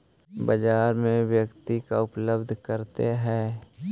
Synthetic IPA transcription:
bəd͡ʒaːɾmẽʋjəkt̪ikaʊpləbd̪ʱkəɾt̪eɦɛ̃ː

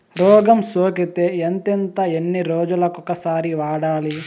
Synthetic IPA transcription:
ɾɔːɡɐmsoːkit̪eent̪ent̪ɐenːiɾoːd͡ʒulɐkukɐsaːɾiʋaːɽaːli

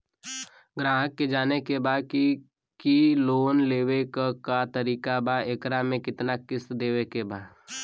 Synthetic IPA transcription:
ɡɾaːɦəkːed͡ʒaːnekebaːki | kiloːnleːwekakat̪əɾiːkabaeːkɾamẽkɪt̪nakɪsd̪eːʋekebaː

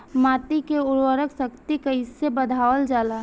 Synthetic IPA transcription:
maːt̪ikeʊɾwəɾəksəkt̪ikəisebəd̪ʱaːʋəld͡ʒaːla

